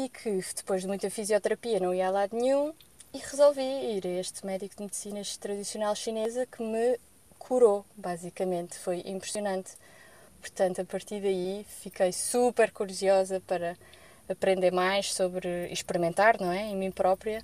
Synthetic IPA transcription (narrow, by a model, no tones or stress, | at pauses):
ikʰɨd̪̥ɨpojʒðmũj̃t̪ɐfizjɔt̪ɨɾɐpiɐnɐ̃w̃ialˠaðnɲũiʁɨzolˠviiɾɐeʃt̪mɛðikud̪mɨd̪sinɐʃt̪ɾɐðisjunalˠʃinezɐkɨmɨ | kʰuɾobazikɐmẽnt̪fojʔĩmpɾɨsiunɐ̃nt̪ | puɾt̪ɐ̃nt̪uɐpɐɾt̪iɾðɐifikɐjsupɛɾkuɾiziɔzɐpɐɾɐː | pɾẽnd̪eɾmajʃsoβɾɨḭʃpɨɾimẽnt̪aɾnɐ̃w̃ɛẽmĩpɾɔpɾiɐ